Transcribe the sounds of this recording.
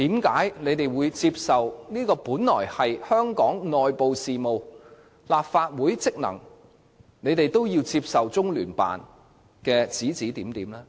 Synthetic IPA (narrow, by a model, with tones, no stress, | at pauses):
t̪iː˨˥mkaː˨˥jne˨˧jt̪e˨jwuː˨˧jt͡siː˧p̚sɐ˨wniː˥kɔː˧puː˨˥nlɔ̰ː˨˩jhɐ˨jhœː˥ŋkɔː˨˥ŋnɔː˨jpo˨wsiː˨mo˨w | laː˨p̚faː˧t̚wuː˨˥jt͡sɪ˥k̚nɐ̰˨˩ŋ | ne˨˧jt̪e˨jt̪o˥wjiː˧wt͡si˧p̚sɐ˨wt͡sʊ˥ŋlyː˨˩npa̰ː˨˩n | kɛː˧t͡siː˨˥t͡siː˨˥t̪iː˨˥mt̪iː˨˥mlɛː˥